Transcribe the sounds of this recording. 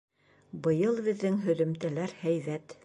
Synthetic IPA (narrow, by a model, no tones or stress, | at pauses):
bɤ̆jɤlˠβɘ̆ðːɘŋɦɵ̆ðɵ̆mt̪ælæɾhæjðæt̪